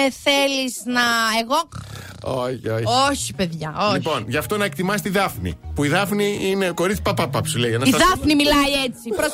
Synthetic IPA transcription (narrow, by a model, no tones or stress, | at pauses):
θe̞liznɐeɣo | oçooçipe̞ðʝɐoipo̞nʝɐft̪o̞nɐekt̪imɐset̪iðɐfnḭpuiðɐfniine̞ko̞ɾit̪si̥pɐpɐpɐpsulejʝɐnɐsiðɐfnimilɐiet͡sipɾos